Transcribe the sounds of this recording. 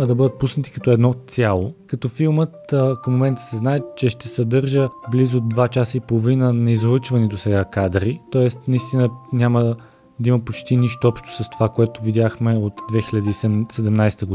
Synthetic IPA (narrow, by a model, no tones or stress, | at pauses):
ɐd̪ɐbɤd̪ət̪̚pusnət̪i̥kɐt̪ɔɛd̪nɔsʲjalˠokɐt̪ɔfilˠmət̪kəmːomɛnt̪ə̥sɛznaɛt͡ʃɛʃt̪ɛsɐd̪ɤɾʒəblizʊd̪vat͡ʃasəipolˠovinənɐizoɤt͡ʃvɐnɛt̪osɛɡakad̪ɾit̪ɔɛst̪nɐist̪inənʲjamə | d̪ɐimɐpot͡ʃt̪iniʃt̪oɔpʃt̪o̥sɐst̪o̥vakoɛt̪ovid̪jaxmɛot̪d̪vɛxilʲɐd̪iːsɛd̪ɛmnajst̪əɡo